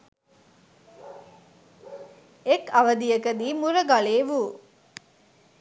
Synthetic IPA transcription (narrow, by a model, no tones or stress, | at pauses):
ekɐʋɐd̪ijɐkɐd̪iːmuɾɐɡɐɭeːʋuː